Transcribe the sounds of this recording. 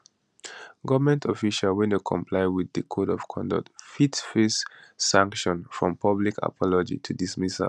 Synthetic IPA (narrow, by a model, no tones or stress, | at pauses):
ɡʌvəmɛ̃ntʰɔfiʃalwɛ̃nekʰɔ̰̃mpʰlaɪwiðɨkʰoɾɔv̥kʰɔ̃ndɔ̰k̚tfitsfesːãŋkʃɔ̃nfɹɔ̃mpʰʌblikʰa̰pʰɔlɔd͡ʒḭtʰudismisa̰